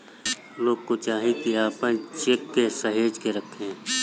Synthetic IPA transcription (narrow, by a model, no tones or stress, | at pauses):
loːɡ̚kot͡ʃaːɦẽkiaːpə̃t͡ʃekːesəɦeːd͡ʒkeɾəkʰẽ